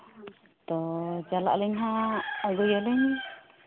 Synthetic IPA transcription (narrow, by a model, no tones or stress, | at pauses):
t̪ɔd͡ʒala̰ʔlɛɲɦaɔɡujalɛɲ